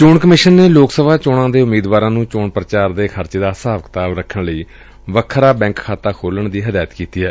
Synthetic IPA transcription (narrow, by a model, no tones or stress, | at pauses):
t͡ʃoːɳkəmɪʃənːeːloːksəbaːt͡ʃoːɽãːd̪eːʊmiːd̪ʋaːɾãːnũːt͡ʃoːɳpɾət͡ʃaːɾd̪eːkʰəɾt͡ʃeːd̪aːsaːʋəkt̪aːʋɾəkʰəɳləiː | ʋəkʰɾaːbɛ̃ːŋkkʰːaːt̪aːkʰoːləɳd̪iːɦəd̪aːjət̪kiːt̪iːɦɛː